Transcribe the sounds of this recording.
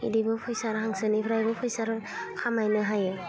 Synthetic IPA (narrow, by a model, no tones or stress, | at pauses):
ḭdibɯpʰɔjsaɾɦaŋsɯnipʰɾajbɯpʰɔjsaɾkʰamajnɯɦaje